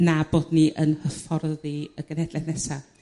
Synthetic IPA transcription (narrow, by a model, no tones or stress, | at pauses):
nab̥oːdniʔənhəfɔrðiəɡ̥ənhɛdlɛθnɛsa